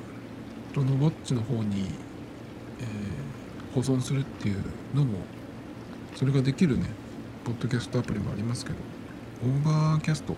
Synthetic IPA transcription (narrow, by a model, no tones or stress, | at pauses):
t̪onobot͡ɕt͡ɕːino̞ɦo̞ːɲ̟i | eː | ho̞zõ̞ɰ̃sɨɾɯ̟t̪ːe̞jɯ̟ | no̞mo̞̰ | so̞ɾe̞ɡad̪e̞kʲiɾɯ̟ne̞̰ | po̞d̪ːo̞kʲasɨ̥t̪o̞apɯ̟ɾʲimoa̰ɾʲimasɨ̥ke̞d̪o̞̰ | õmbaːkʲasɨ̥t̪o̞